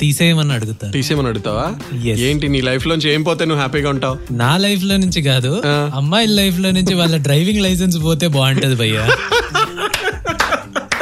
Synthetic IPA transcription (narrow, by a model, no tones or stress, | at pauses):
t̪iːseːmɐnɐɐɽuɡut̪aːɾt̪iːseːmɐnɐɽuɡut̪aːʋaː | jeseːɳʈiniːlɐjpʰloːnũɲt͡ʃieːmip̬oːt̪eːnuʋːɦaːpiːɡaːuɳʈaːwnaːlɐjp̬ʰlo̞ːnuɲt͡ʃiɡaːd̪uaɐmːaːillɐjp̬ʰlo̞ːnuɲt͡ʃiʋaːɭːɐɖɾɐjʋiŋɡlɐjs̬ɐns̬po̞ːt̪e̞ːbaːɳʈɐd̪ibʱɐjːa